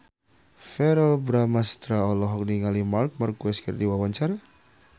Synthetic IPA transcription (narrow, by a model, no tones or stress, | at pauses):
fɛɾɔlbɾamast̪ɾaɔlɔɦɔk̚niŋalimark̚markuɛskərdiwawaɲt͡ʃaɾa